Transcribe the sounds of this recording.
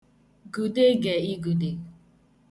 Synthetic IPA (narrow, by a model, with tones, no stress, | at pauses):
ɡu˨de˦ɡe˨i˦ɡu˨de˨